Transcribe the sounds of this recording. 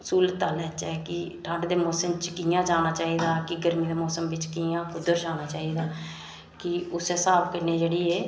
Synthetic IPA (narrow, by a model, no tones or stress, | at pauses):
suːlət̪ːəːlɛːt͡ʃɛːkɪʈʰəɳɖd̪eːmoːsəmt͡ʃkiːãːt͡ʃaːnaːt͡ʃaːiːd̪aːkɪɡəɾmiːd̪eːmoːsəmʋɪt͡ʃkiːãːkʊd̪əɾt͡ʃaːnaːt͡ʃaːiːd̪aː | kɪʊseːsaːbkəneːd͡ʒeːɽiːeː